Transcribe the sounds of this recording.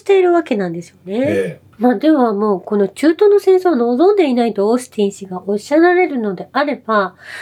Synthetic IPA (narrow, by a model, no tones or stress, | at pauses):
i̥t̪e̞iɾɯ̟βake̞nãnd̪e̞sɨjo̞ne̞ | mad̪e̞βamo̞ːko̞no̞t͡ɕɨːt̪o̞ːno̞sẽ̞ɰ̃soːβano̞ːzõ̞nd̪e̞inaid̪o̞ːɕi̥t̪ĩɰ̃ɕiɡaʔoɕaɾaɾe̞ɾɯ̟no̞d̪e̞ʔaɾe̞b̥a